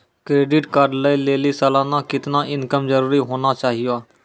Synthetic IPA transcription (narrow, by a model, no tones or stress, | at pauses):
kɾeːɖɪʈkəɖləileːliːsəlaːnaːkɪt̪naːʔɪnkəmzəɾuːɾiɦoːnaːt͡ʃaːɦɪjaː